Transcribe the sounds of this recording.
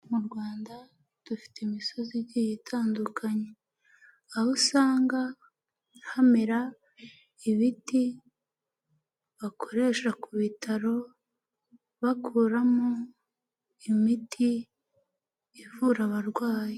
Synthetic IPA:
muɾɡwaːnda | d̥ufi̥temiso̞ziɟijitʰaːndukʰaɲe | aβusaːŋɡa | ɾahamiɾa | iβiti | βakʰo̞ɾe̞ʃakuβitʰaɾo̞ | βakuːɾamo | imitʰi | vuɾaβaɾɡwaːje

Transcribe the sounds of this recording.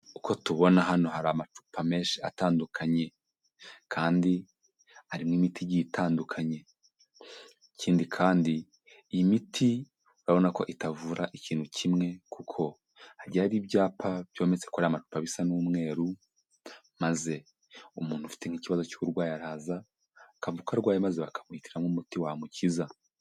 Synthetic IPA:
ukʰo̞tuβo̞naɦano̞haɾamat͡ʃu̥pʰame̞ːʃiataːndukʰaɲe̞ | kʰaːndi | aɾimŋiːmitʰijɟitʰaːndukʰaɲe̞ | iciːndikʰaːndi | imitʰi | uɾaβo̞nako̞̰ʔitavuːɾaʔiciːn̥hucʰimŋe̞kukʰo̞ | aɾɟaɾiːbɟaːpʰabjo̞ːme̞t͡se̞̥koɾiamatu̥paβisanumŋe̞ːɾu | maze̞ | umuːn̥hufi̥te̞ŋ̥iːciβazo̞cuuɾɡwaːjaɾaːza | kavukaɾɡwaːjemazeβakʰḁmwitiɾamŋumutiwamuciza

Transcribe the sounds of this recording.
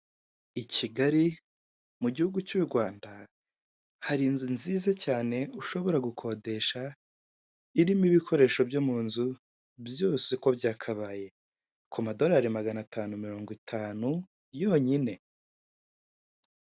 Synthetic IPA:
iciɡaɾi | muɟihuɡut͡ʃuɾɡwaːnda | haɾinzunziːzacaːne̞uʃo̞βo̞ɾaɡukʰo̞de̞ʃa | iɾimiβikʰo̞ɾe̞ːʃo̞bjomuːnzu | bjo̞ːseko̞bjaːkʰaβaːje̞ | kʰumado̞ɾaːɾimaɡanatʰaːnumiɾo̞ːŋɡwitʰaːnu | jo̞ːɲine̞

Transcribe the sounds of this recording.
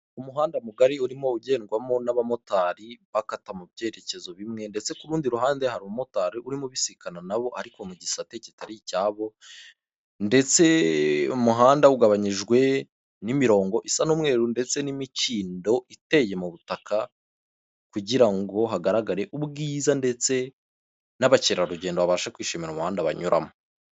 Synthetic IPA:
umuɦaːndamuɡaɾiuɾimo̞uɟe̞ːŋɡwamo̞naβamo̞taːɾiβakatamubje̞ːɾe̞ce̞zo̞βimŋe̞nde̞t͡se̞kuɾuːndiɾuɦaːndehaɾumumo̞taːɾiʔuɾimoβisikananaβo̞ʔaɾiko̞muɟisate̞citaɾicaːβo̞ | nde̞t͡se̞umuɦaːndauɡaβaɲiʒɡwe̞ | nimiɾo̞ːŋɡo̞ʔisanomŋe̞ːɾunde̞t͡se̞nimiciːndo̞ʔite̞je̞muβutaka | kuɟiɾaŋɡo̞ɦaɡaɾaɡaɾe̞ʔubɡiːzande̞t͡se̞ | naβaceɾaɾuɟe̞ːndoβaβaːʃakwiːʃemiɾaumuhaːndaβa̰ɲuɾʔa̰mo

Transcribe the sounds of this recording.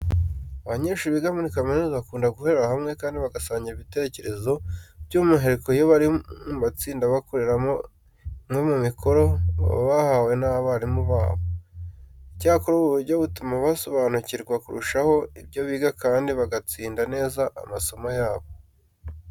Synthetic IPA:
aβaɲe̞ːʃuβiɡamunikamenuzaβakuːndaɡuheɾahamŋe̞kaːndiβaɡasaːɲɟiɾiβite̞ce̞ɾe̞zo̞bɟumuɦe̞ɾekojoβaɾiuβat͡siːndaβakoɾeɾamo | mŋe̞mumikʰo̞ɾo̞β̰βahawe̞naaβaɾimuβa̰ːβo̞ | icaːkoɾoβuβuɾɟoβutumaβaso̞βaːnuciɾɡwakuɾṵʃaho̞ibɟo̞βiːɡakaːndiβaɡat͡siːndane̞ːzaʔa̰maso̞majaːβo̞

